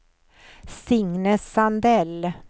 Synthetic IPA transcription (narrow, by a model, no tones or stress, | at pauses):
sɪŋnəsːand̪ɛl